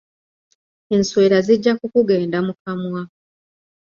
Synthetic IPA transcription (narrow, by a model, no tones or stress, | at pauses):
e̞nswe̞ːɾaziɟːakukuɡe̞ːndamukamwa